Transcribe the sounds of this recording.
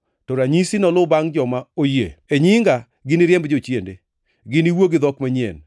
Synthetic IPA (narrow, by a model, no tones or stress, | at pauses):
tɔɾaɲisinɔlʊbaŋd͡ʒɔmaojḛeɲɪŋɡa | ɡɪnɪɾjɛmbd͡ʒot͡ʃjende | ɡɪniwoɡɪd̪ɔkmaɲiḛn